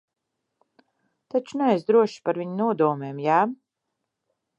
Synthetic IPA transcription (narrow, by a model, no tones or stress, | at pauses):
t̪at͡ʃunɛɛzd̪ɾuɔʃi̥paɾviɲunuɔd̪uɔmeːmjaː